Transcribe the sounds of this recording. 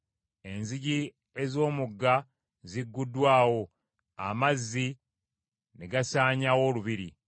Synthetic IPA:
e̞nziɟi | e̞zo̞ːmuɡːa | ziɡːudwaːwo̞ | a̰mazːi | neɡasaːɲawo̞ːluβiɾḭ

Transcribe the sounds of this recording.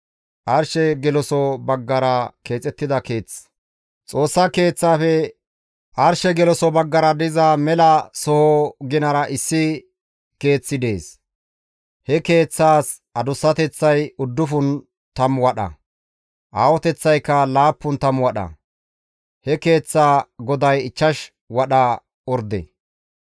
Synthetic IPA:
ʔɐɾʃɛɡɛlɔsɔbɐɡːɐɾɐke̞ːt͡sʼɛt̪ːɪd̪ɐke̞ːt͡sː | t͡sʼo̞ːsːɐke̞ːt͡sːaːfɛ | ʔɐɾʃɛɡɛlɔsɔbɐɡːɐɾɐd̪ɪzɐmɛlɐsɔhɔɡɪnɐɾɐʔɪsːɪ | ke̞ːt͡sːɪd̪e̞ːs | hɛke̞ːt͡sːaːs | ɐd̪ʊsːɐt̪ɛt͡sːɐjʊd̪ːʊfʊn | t̪ɐmwɐɗɐ̰ | ʔaːwɔt̪ɛt͡sːɐjkːɐlaːpːʊnt̪ɐmwɐɗɐ̰ | hɛke̞ːt͡sːaːɡɔd̪ɐjɪt͡ʃːɐʃ | wɐɗɐ | ɔɾd̪ḛ

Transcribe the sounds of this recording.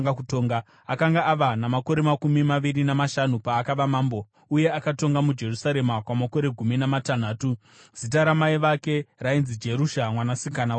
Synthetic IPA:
ɡakutoːŋɡa | akaŋɡaʔaʋanamako̞ɾe̞makumimaʋiɾinamaʃanupaːkaʋamaːmbo̞ | uje̞akato̞ŋɡamud͡ʒe̞rusaɾe̞makwamako̞ɾe̞ɡʱuminamatan̤aːtu | z̥it̬aɾamaiʋake̞rainzid͡ʒe̞ɾuʃamwanasikana

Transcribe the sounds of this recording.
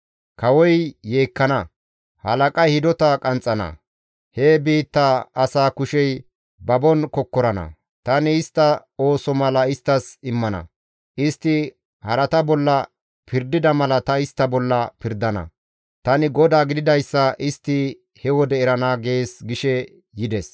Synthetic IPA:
kɐwɔjːe̞ːkːɐnɐ | hɐlɐkʼɐjhɪd̪ɔt̪ɐkʼɐnt͡sʼːɐnɐ̰ | heːbiːt̪ːaɐsaːkʊʃɛj | bɐbɔnkɔkːɔɾɐnɐ̰ | t̪ɐnɪːst̪ːɐo̞ːsɔmɐlɐɪst̪ːɐsɪmːɐnɐ̰ | ʔɪst̪ːɪ | hɐɾɐt̪ɐbɔlːɐ | pɪɾd̪ɪd̪ɐmɐlɐt̪ɐɪst̪ːɐbɔlːɐpɪɾd̪ɐnɐ̰ | t̪ɐnɪɡɔd̪aːɡɪd̪ɪd̪ɐjsːɐʔɪst̪ːɪ | hɛwɔd̪ɛːɾɐnaːɡe̞ːsɡɪʃɛ | jɪd̪ɛs

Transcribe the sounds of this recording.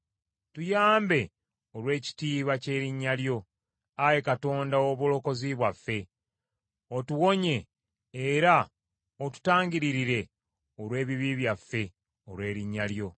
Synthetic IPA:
tujaːmbe̞ | olwe̞ːci̥tiːβace̞ːɾiɲːaljo̞ | aje̞kato̞ːndaoβolo̞ko̞ziβwafːe̞ | otuwo̞ɲe̞ː | ɾa | otu̥taːɲɟiɾiɾiɾe̞ | olwe̞ːβiβiβjafːe̞ | olwe̞ːɾiɲːaljo̞

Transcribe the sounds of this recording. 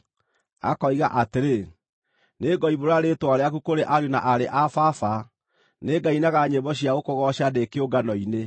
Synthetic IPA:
a̰kɔiɣaʔateɾe | neɡɔiβoɾaɾetoaɾeakukoɾeʔaɾjunaʔaɾeʔafafa | neɡainaɣaɲebɔɕ̬iaɣokoɣɔɕadekeoɡanɔine

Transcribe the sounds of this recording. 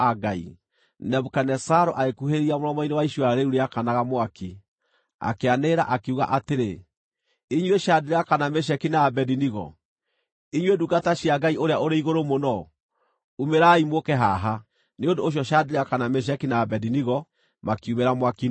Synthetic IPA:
aɡaḭ | nɛβukanɛsaɾoʔaɣekuɦeɾiamoɾɔmɔinewaiʃwaɾeuɾeakanaɣamowaki | a̰keaneɾaʔakeuɣa̰ʔateɾe | iɲweʃadeɾeakanameʃ̬ɛkinaːbɛdiniɣɔ̰ | iɲweduɡataɕiaɡaioɾeaʔoɾeiɣoɾomonɔ | umeɾaimokɛɦaɦa | neondoːɕ̬jɔʃadeɾeakanameʃ̬ɛkinaːbɛdiniɣɔ | makiumeɾamwaki

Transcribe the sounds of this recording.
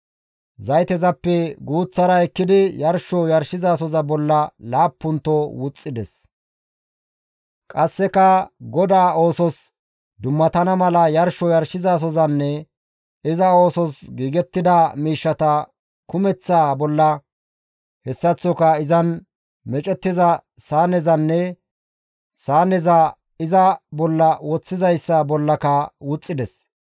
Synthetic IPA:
zɐjt̪ɛzɐpːɛɡuːt͡sːɐɾɐɛkːɪd̪ɪjɐɾʃɔjɐɾʃɪzaːsɔzɐbɔlːɐlaːpːʊnt̪ːɔwʊt͡sʼːɪd̪ɛs | kʼɐsːɛkɐɡɔd̪aːoːsɔs | d̪ʊmːɐt̪ɐnɐmɐlɐjɐɾʃɔjɐɾʃɪzaːs̬ɔzɐnːɛ | ɪzɐo̞ːsɔsɡiːɡɛt̪ːɪd̪ɐmiːʃːɐt̪ɐ | kʊmɛt͡sːaːbɔlːɐ | hɛsːɐt͡sːɔkɐɪzɐn | mɛt͡ʃʼɛt̪ːɪzɐsaːnɛzɐnːɛ | saːnɛzɐ | ɪzɐbɔlːɐwɔt͡sːɪzɐjsːɐbɔlːɐkɐwʊt͡sʼːɪd̪ɛs

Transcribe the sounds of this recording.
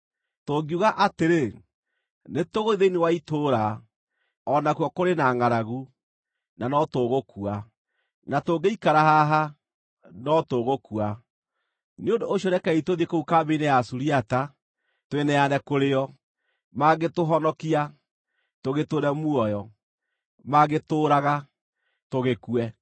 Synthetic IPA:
toɡiuɣaʔateɾe | netoɣoiðeinewaitoɾa | ɔnakuɔkoɾenaŋaɾaɣu | nanɔtoɣokua | natoɡeikaɾaɦaɦa | nɔtoɣokua | neondoːɕjoɾɛkɛitoðiekoukabeinɛjasuɾiata | toenɛjanɛkoɾeɔ | maɣetoɦɔnɔkia | toɣetoɾɛmwɔjɔ | maɣetoːɾaɣa | toɣekuɛ

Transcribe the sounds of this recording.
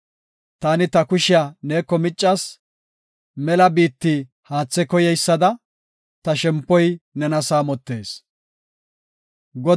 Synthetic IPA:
t̪aːnɪt̪ɐkʊʃɪjaneːkːɔmɪt͡ʃʼːɐs | mɛlɐbiːt̪ːi | haːt͡sːɛkɔjɛjsːɐd̪ɐ | t̪ɐʃɛmpːɔjnɛnɐsaːmɔt̪ːe̞ːs | ɡɔ

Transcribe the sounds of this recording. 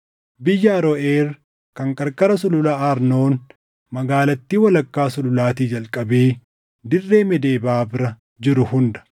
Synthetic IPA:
bɪjːɐɐɾɔʔeːɾ | kɐŋkʼɐɾkʼɐɾɐsʊlʊlaːaɾno̞ːn | mɐɡaːlɐt̪ːiːwɐlɐkːaːsʊlʊlaːt̪iːd͡ʒɐlkʼɐbeː | d̪ɪrːe̞ːmɛd̪e̞ːbaːbɪɾɐ | d͡ʒɪɾʊhʊnd̪ɐ̥

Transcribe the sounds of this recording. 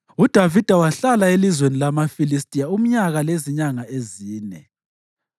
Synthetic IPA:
ud̥ʱavid̥ʱawaɬalaelizwenilamafilistʼijaum̩ɲaɣaleziɲaŋaeziːnɛ̰

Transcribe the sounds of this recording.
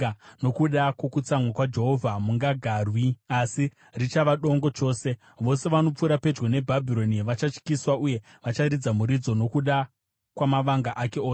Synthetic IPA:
no̞kuɗakwo̞kut͡samwakwad͡ʒe̞ɦo̞vʱamuŋɡaɡʱaːrwiasi | rit͡ʃaʋaɗo̞ŋɡo̞t͡ʃo̞ːse̞ | ʋo̞se̞ʋano̞p͡fuɾape̞d͡ʒɡone̞bʱabʱiɾo̞niʋat͡ʃat͡ʃkiswauje̞ | ʋat͡ʃaɾid͡zamuɾid͡zo̞no̞kuɗa | kwamaʋaŋɡaʔake̞oːse

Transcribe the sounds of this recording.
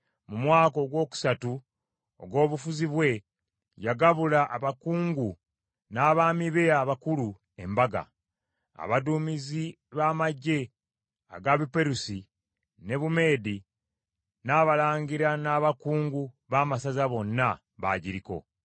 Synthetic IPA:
mumwaːko̞ɡwo̞ːku̥satu | o̰ɡwo̞ːβufuziβwe̞ | jaɡaβulaʔaβakuːŋɡu | naːβaːmiβeaβakulu | e̞mbaɡa̰ | a̰βadumizi | βaːmaɟːe̞ | a̰ɡaβipe̞ɾusi | ne̞βume̞ːdi | naːβalaːɲɡiɾanaːβakuːŋɡu | βaːmasazaβo̞nːa | βa̰ːɟiɾiko̞̰

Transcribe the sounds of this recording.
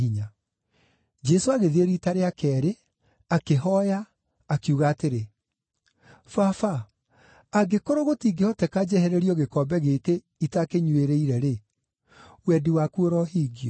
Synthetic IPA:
iɲa | d͡ʒɛsoaɣeðieɾitaɾeakɛːɾe | akeɦɔjaː | kjuɣaːteɾe | fafaː | ɡekoɾoɣotiːɡehɔtɛkad͡ʒɛhɛɾeɾiɔɣekɔːbɛɣeːke | itakeɲweɾeiɾɛɾe | wɛdiwakuoɾɔhiːɡiɔ

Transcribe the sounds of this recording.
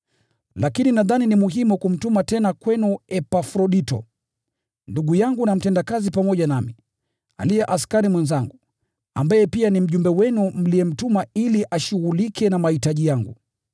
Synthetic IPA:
lakininaðaninimuɦimukum̩tumatɛnakwɛnuɛpafɾɔɗitɔ̰ | nduɠujaŋɡunam̩tɛndakazipamɔʄanami | a̰lijɛʔaskaɾimwɛnzaŋɡu | a̰mbajɛpianim̩ʄumbɛwɛnum̩liɛm̩tumailiʔaʃuɣulikʰɛnamahitaʄijaŋɡṵ

